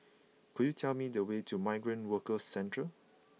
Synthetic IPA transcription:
kudjutʰɛlmidəwetʰumaɪɡɹə̃ntwəkəsːɛ̃ntə

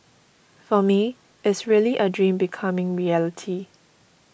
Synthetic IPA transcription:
fɔmi | ɪtsɹiəliʔədɹĩmbikʰamɪ̃ŋɹiɛlɪtʰi

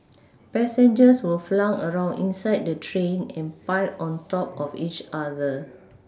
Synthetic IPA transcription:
pɛsɛ̃nd͡ʒəswilflãŋəɹãʊ̃nĩnsaɪd̚dətʰɹẽnɛ̃npaɪlɔ̃ntɔpɔfit͡ʃadə

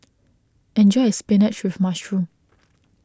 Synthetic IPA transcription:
ɛ̃nd͡ʒɔɪəspɛnɛt͡ʃwɪvmaʃɹũm

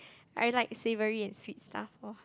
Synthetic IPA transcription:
a̰jlaɪk̚sevəɹiɛ̃nswitstʰa̰fɔ

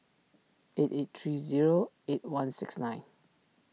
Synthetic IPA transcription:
etetθɹiziɹo | et̚wãnsɪksnãɪ̃n

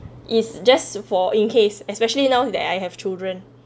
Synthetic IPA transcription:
ʔitsd͡ʒasfɔʔĩnkʰesɛspɛʃəlinãwdɛ̰tajɦɛv̥t͡ʃildɹə̃n

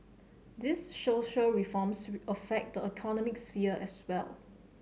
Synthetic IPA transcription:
disʃoʃəɹifɔmsəfɛk̚t̚dəikʰɔnɔmɪksfiəɛswɛ̰l

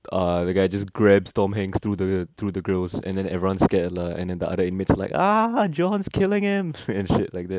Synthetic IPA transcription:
ʔʌdəɡaɪd͡ʒasɡɹɛbstɔ̃mɦɛ̃ŋst̪ɹudət̪ʰɹudəɡɹəlsɛ̰̃ndɛ̃nɛvɹiwãnskɛtləɛ̰̃ndɛ̃ndəʔa̰dəɪ̃nmɪtsalaɪkad͡ʒɔ̃nskʰɪlɪ̃ŋhɪ̃mɛ̃nʃɪt̚laɪk̚d̪ɛt̚

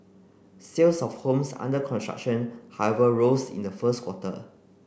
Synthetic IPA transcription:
selsɔfhõmsã̰ndəkʰɔ̃nstɹa̰k̚ʃə̃nhawɛvəɹosḭ̃ndəfəskʰwɔtə̰

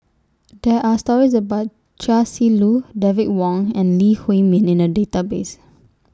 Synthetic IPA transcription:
dɛʔastɔɹis̬əbaʊt̚ | t͡ʃasiludɛvit̚wɔ̃ŋɛ̃nlihwẽmĩnɪ̃nədetabes

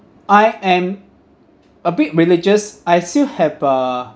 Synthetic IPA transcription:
ʔajɛ̃m | əbit̚ɹilid͡ʒəsajstilhɛvʌ

